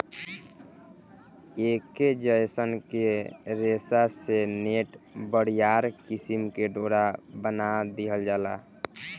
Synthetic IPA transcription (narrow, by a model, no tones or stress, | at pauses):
ekːed͡ʒəjsənkeɾesaseneʈbəɽ̤ijaɾkisimkeɖoɾabənad̪iɦəld͡ʒaːla̰